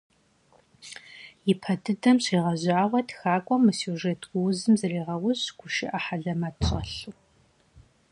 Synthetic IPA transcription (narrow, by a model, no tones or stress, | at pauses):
jɪpʰɐdʰɨdɐmɕiːʁɐʑʷaːʁʷɔtxaːkʷʼɔmɨsjuʒeːtʰɡʷʊwzɨmzɨreːʁɐwʊɕɡ̥ʷʊʃɪ̰ʔaħaɮɐmɐtʰɕʼɐ̰ɬu